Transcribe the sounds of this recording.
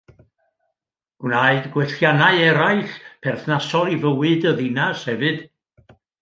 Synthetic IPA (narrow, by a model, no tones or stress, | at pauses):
ɡ̥wnaɨdɡwɛɬjanaɨɛɾaɨɬpʰɛrθnasɔlˠivəwɨdəðinashɛvɨd̥